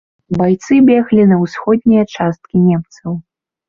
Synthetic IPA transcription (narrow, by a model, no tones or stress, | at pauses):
bajt̪sɨbʲɛɣlʲinɐwsxɔd̪̚ʲnʲijɐt͡ʂast̪̚kʲinʲɛmt̪sɐw